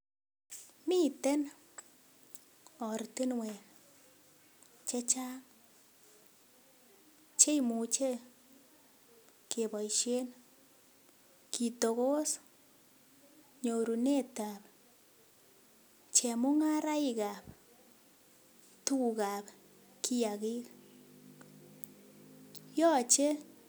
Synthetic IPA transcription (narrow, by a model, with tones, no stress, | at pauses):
mi˦tɛ˦n | ɔ˨ɾti˦nwe˨n | t͡ʃe˦t͡ʃa˦ŋ | t͡ʃe˦imu˨t͡ʃe˦ | ke˨bɔ˨jʃe˦n | kʰi˨to˨ɣo˦s | ɲo˨ɾu˨ne˦ta˨p | t͡ʃɛ˨mʊ˦ŋa˦ɾa˦i˨ka˨p | tu˦˨ka˨p | kʰi˦ja˨ɣi˦k | jɔ˦t͡ʃe˦